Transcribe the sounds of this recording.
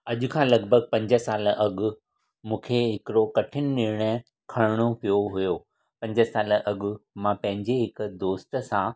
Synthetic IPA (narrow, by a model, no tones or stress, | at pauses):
ɐʄʊ̆kʰãːlɐɡ̚bʱəɡ̚pɐ̃ɲd͡ʑəsaːlʔɐɡʊ̆ | mũːkʰeɦɪkɾokɐʈʰɪnɪ̆nɪɾɽ̃ə | kʰɐɽɪɽ̃opijoɦʊjoː | pɐ̃ɲd͡ʑəsaːləʔɐɠʊ̆mãpɐ̃ɦɪ̃ɲd͡ʑeɦɪkd̪oːst̪̆sã